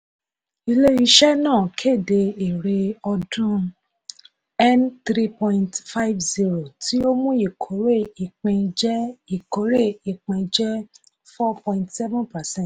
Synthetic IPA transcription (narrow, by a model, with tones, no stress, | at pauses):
i˧le˦i˧ʃɛ˦nãː˦˨kʰe˦˨de˧e˨ɾe˧ɔ˧dũ˦ | ɛ˦nt̪ɾi˦pɔ̃˦ĩ˧ntfa˦i˦vzi˦ɾo˨tʰi˦o˦mũ˦i˦˨kʰo˨˦ɾe˦˨i˨k͡pĩ˧d͡ʒɛ˦i˨ko˨˦ɾe˦˨i˨k͡pĩ˧d͡ʒɛ˦ | fɔ˦pɔ̃˧ĩ˨ntsɛ˦vũ˦npa˨sɛ̃˦˨t